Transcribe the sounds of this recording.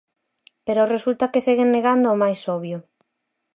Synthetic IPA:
peɾoresult̪ɐkeseɣeŋneɣand̪oʊomajsoβjʊ

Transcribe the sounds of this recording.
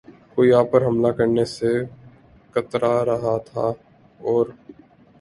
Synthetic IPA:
koːiaːpːəɾɦɐmlakɐɾnese | kət̪ɾaɾɐɦat̪ʰaː | ɔːɾ

